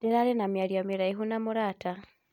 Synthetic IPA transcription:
deɾalenamjaljamiɾaiɦunamuɾaːta

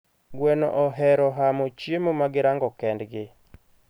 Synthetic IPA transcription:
ɡwɛnɔ̰ʔɔɦɛɾɔɦamot͡ʃjemomaɡɪɾaŋɡɔkɛndɡɪ

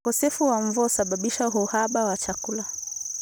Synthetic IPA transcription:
kɔsɛfuwaɱvuɔsaɓaɓiʃauɦuhaɓawat͡ʃakula

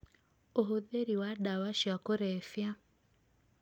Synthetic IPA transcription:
oɦoðeɾiwadawaʃjakoɾɛfja

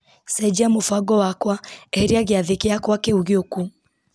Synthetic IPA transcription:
sɛd͡ʑiamofaɡɔwakwaɛhɛɾiaɣeaðekeakwakeuɣjoku

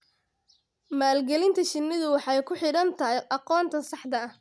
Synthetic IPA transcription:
maːlɡɛlɪnt̪ʰɐt͡ʃɪnːɪðʊwɑħɑjkʰʊħɪɽɐnt̪ʰɐɦɛjʔɑqɔːnt̪ʰɐsɑħd̪ɐɐh

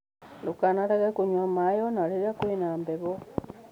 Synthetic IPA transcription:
ndukanaɾaɣekuɲwamajonaɾiɾakwenaːmbeβo

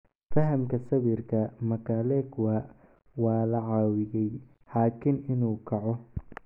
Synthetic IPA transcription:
fɐɦɐmkʰɐsɐβirkʰɐmɐkʰalɛkʰwɐ | wɑːlɐʕɑːwɪɣɛj | haːkʰɪnɪnuːkʰɐʕɔ

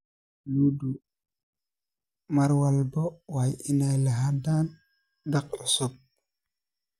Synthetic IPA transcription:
ludu | maɾwalbowajinajlaɦadan | dak̚ɔsok̚

